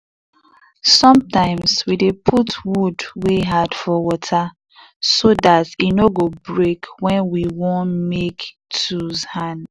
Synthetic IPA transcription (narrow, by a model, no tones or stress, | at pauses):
sɔ̃mtãɪ̃mswidepʰutʰwudweɦad̥fɔwɔtʰa | soðatinoɡobɹekwɛ̃nwiwõnmek | tʰuzhãn